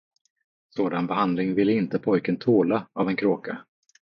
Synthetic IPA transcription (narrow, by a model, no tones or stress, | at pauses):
soːd̪anbɛɦand̪lɪŋvɪlːɪnt̪əpʰɔjkənt̪ʰoːlaavɛnkʰɾoːka